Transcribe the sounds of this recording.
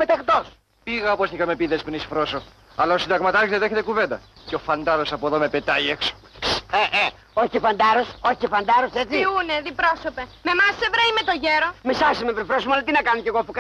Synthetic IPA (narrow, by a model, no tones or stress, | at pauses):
met̪ext̪os | piɣɐoposθikɐmepiðespnisfɾo̞so | ɐlɐosind̪ɐɣmɐt̪ɐizɐðeçet̪ekuve̞nd̪ɐceo̞fɐnd̪ɐɾo̞sɐpoðome̞pe̞t̪ɐiekso̥ | eʔe | oçifɐnd̪ɐɾo̞so̞çifɐnd̪ɐɾo̞se̞t͡siuneðipɾosopeme̞mɐsːevɾeimet̪oʝeɾomisɐsimepɾifɾosomolɐt̪inɐkɐnoce̞ɣopuk